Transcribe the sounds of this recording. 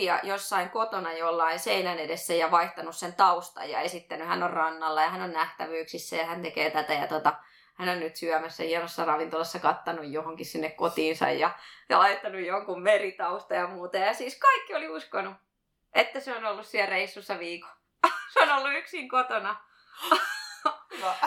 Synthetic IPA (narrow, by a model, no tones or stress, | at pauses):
jɑ̰josːɑiŋkot̪onɑjolːɑiseinænedesːæjɑʋɑiht̪ɑnussent̪ɑust̪ɑ̰jjɑ̰esit̪ːænyhænːorrɑnːɑlːɑjɑhænonnæht̪æʋyːksisːæjɑhænt̪ekeːt̪æt̪æjɑ̰t̪ot̪ɑ | hænonnyt̪syæmæsːæ̰hiɛnosːɑrɑʋint̪olɑsːɑkɑt̪ːɑnujjohoŋkissinːekkot̪iːnsɑ̰jjɑjɑlɑit̪ːɑnujjoŋkummerit̪ɑust̪ɑjɑmuːt̪ɑjɑsiːskɑikːioliuskonu | ʔet̪ːæseonolːussiælreisːusːɑʋiːko̥ | seonolːuyksiŋkot̪onɑ